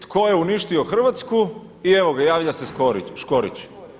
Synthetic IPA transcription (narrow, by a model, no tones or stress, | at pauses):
t̪kʰoje̞uniʃt̪io̞xr̩ʋat̪sku | ieʋoɡajaːʋʎaseskoɾiʃkoɾḭt͡ɕ